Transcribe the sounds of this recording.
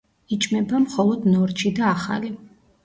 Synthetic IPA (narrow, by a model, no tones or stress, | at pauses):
it͡ʃʼmɛbamχɔlˠɔd̪nɔɾt͡ʃʰid̪aːχa̰li